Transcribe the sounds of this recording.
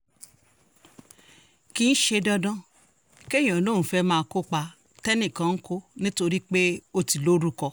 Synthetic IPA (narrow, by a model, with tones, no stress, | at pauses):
ki˧n̩˦ʃe˧dɔ˧dɔ̃˦ | ke˦˨j̃ã˨lo˦˨ũ˨fɛ˦mãː˦˧ko˦k͡pa˧ | tɛ˦nĩ˦˨kã˧˦n̩˦ko˦nĩ˦to˧ɾi˦k͡pe˦o˧ti˨lo˦ɾu˦kɔ˧